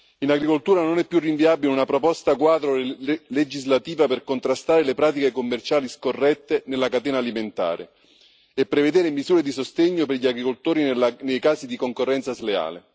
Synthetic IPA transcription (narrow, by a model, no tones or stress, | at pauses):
inaɡɾikolt̪uːɾanonɛpːjurːiɱviaːbileunapɾopɔst̪akwaːd̪ɾoled͡ʒizlat̪iːvaperkont̪ɾast̪aːɾelepɾaːt̪ikekomːert͡ʃaːliskorːɛt̪ːenelːakat̪ɛːnaːliment̪a̰ːɾḛ | epːɾeved̪eːɾemizuːɾed̪isost̪eɲːoperʎiaɡɾikolt̪oːɾinejkaːzid̪ikoŋkorːɛnt̪sazlea̰ːle